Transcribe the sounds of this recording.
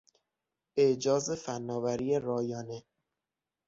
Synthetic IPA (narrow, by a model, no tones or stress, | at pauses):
eʔd͡ʒɒːze̞fænːɒːvæɾiːeɾɒːjɒːne